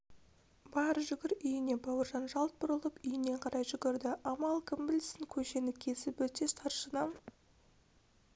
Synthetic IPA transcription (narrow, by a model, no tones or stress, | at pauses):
bɑɾəʒʏɡʲɪɾʏjɪne̞bɑwəɾʒɑnʒɑlˠt̪̚bʊɾəlˠəpʏjɪne̞ɴqʰɑɾɑjʒʏɡʲɪɾd̪ɪʔɑmɑlˠkʰəmbɪlsɪŋkʲʰɵʃe̞nɪkʲʰe̞sɪpwɵt̪e̞st̪ʰɑɾʃənɑm